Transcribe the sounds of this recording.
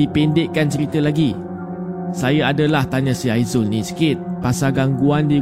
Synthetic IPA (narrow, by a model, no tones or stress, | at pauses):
ipendɪʔkːant͡ʃəɾit̪əlaɡi | sajaadalaht̪aɲãsiajzʊlnĩsə̥kɪt̪̚pasaɡaŋɡuandi